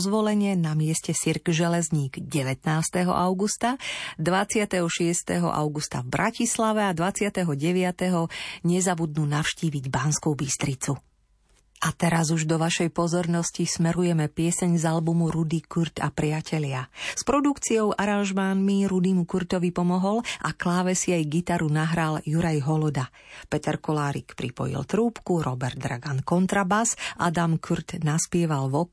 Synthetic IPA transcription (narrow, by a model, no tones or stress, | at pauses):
zʋɔlɛɲɪɛnamɪɛscɛsiɾɡʒɛlɛzɲiːɡɟɛʋɛt̪naːst̪ɛɦɔ̰ʔaʊɡust̪ad̪ʋat͡sɪat̪ɛɦɔʃɪɛst̪ɛɦɔ̰ʔa̰ʊɡust̪a̰vbɾʔacislaʋɛad̪ʋat͡sɪat̪ɛɦɔɟɛʋɪat̪ɛɦɔɲɛzabud̪̚nuːnafʃciːʋiɟbanskubist̪ɾit͡su | ʔat̪ɛɾazuʒd̪ɔʋaʃɛjpɔzɔɾnɔscismɛɾujɛmɛpɪɛsɛɲzalbumuɾud̪ikuɾt̪a̰pɾɪacʰɛlɪaspɾɔd̪ukt͡siɔʊʔaɾanʒmanmiɾud̪imukuɾt̪ɔʋipɔmɔɦɔlʔaklaːʋɛsiajɡit̪aɾunaɦɾaljuɾajɦɔlɔd̪a | pɛt̪ɛɾkɔlaːɾḭkpɾipɔ̰jḭlt̪ɾuːpkuɾɔbɛɾd̪̚d̪ɾaɡankɔnt̪ɾabazʔad̪amkʰuɾt̪naspɪɛʋalʋɔ